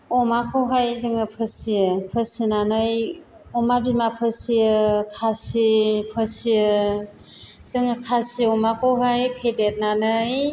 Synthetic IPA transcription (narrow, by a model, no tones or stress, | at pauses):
ɔmakʰɔwɦajzɯŋɯpʰɯsijɯpʰəsinanɯj | ɔmabimapʰɯsijɯkʰasipʰəsiɯ | z̥ɯŋɯkʰasiɔmakʰowɦajpʰedet̚nanɯj